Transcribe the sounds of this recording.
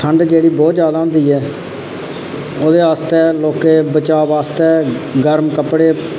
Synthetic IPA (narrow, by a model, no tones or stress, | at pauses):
t̪ʰəɳɖd͡ʒeːɽiːbɔːt̪zjaːd̪aːɦʊ̃nd̪iːɛː | oːd̪eːaːst̪ɛːloːkeːbət͡ʃaːʋaːst̪ɛːɡəɾmkəpɽeː